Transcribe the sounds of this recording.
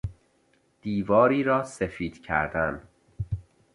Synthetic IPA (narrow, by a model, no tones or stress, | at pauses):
d̪̥iːvɒːɾiːɾɒːsefiːd̪̥cʰæ̰ɾd̪æn